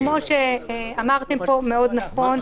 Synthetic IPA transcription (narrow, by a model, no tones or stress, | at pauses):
mo̞ʃeamaʁt̪empo̞me̞o̞d̪naχo̞n